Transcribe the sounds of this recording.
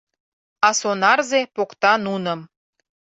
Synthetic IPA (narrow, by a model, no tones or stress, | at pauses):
ɑsonɑrzepokt̪ɑnunə̆m